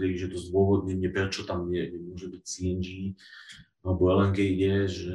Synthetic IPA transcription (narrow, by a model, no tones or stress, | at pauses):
ɾiiʒɛt̪ɔzd̪ʊɔʋɔd̪ɲɛɲɛpɾɛt͡ʃɔt̪amɲɛɲɛmʊɔʒɛbicsiɛnd͡ʒi | alɛbɔɛlɛŋɡɛjjɛʒɛ